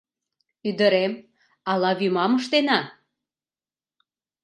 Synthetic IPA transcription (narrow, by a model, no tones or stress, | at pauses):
yd̪əɾem | ɑlɑβymɑməʃt̪enɑ